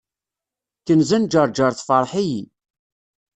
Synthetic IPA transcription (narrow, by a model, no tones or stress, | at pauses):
kənzænd͡ʒəɾˤd͡ʒəɾˤθfəɾˤħiji